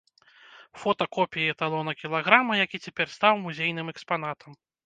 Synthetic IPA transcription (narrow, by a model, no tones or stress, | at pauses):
fɔt̪ɐkɔpʲijɛt̪alˠɔnɐkʲilˠaɣɾamɐjakʲit͡sʲɛpʲɛrst̪awmuzʲejnɨmɛkspan̪at̪ʰɐm